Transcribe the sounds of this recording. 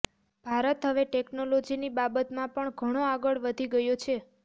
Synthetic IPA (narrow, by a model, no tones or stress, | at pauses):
b̥ʱaɾət̪ɦəʋeʈeknolod͡ʒinibabət̪mãpəɳɡʱəɽ̃oaɡəɭʋəd̪ʱiɡəjot͡ʃʰe